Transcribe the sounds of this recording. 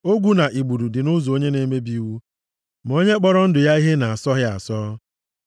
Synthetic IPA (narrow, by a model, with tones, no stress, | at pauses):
o˦ɡʷu˦na˨ʔi˨ɡ͡bu˨du˨dɪ˨nʊ˦zo˨o˦ɲe˦ne˦me˦bi˦wu˦ | m̩˨o˦ɲe˦k͡pɔ˦ɾɔ˦n̩˦dʊ˨ja˦i˦ɦe˦na˨a˨sɔ˦ɣɪ˦a̰˨sɔ˦